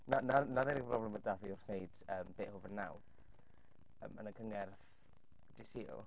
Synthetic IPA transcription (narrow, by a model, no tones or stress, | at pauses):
nananaɾɛɾɪbrɔblɛmədaviʊrnejd̥əːmb̥eːʔhʊvənːa̰w | ə̰ːmə̰nəkʰəŋɛrθ | d̥ɪsḭːlˠ